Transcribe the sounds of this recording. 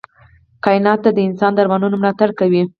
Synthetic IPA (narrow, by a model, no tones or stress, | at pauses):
kɑɪnɑt̪ːad̪əɪnsɑnd̪aɾmanunomlɑt̪aɽkawi